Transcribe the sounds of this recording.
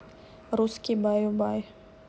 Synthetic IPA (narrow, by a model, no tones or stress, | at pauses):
ɾuskʲibajubaj